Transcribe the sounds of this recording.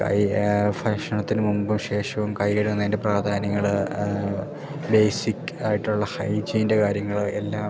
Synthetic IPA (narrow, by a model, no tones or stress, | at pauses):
kɐ̰jfakʂɐɳɐt̪ːinɨmumbumɕe̞ːʂɐʋumkɐjkɐɽunːɐðindepraːd̪ʱaːnɐŋːɐɭ | be̞jsikʲːaːjiʈːuɭːɐhɐjd͡ʑiːnde̞kaːɾjɐŋːɐɭe̞lːaː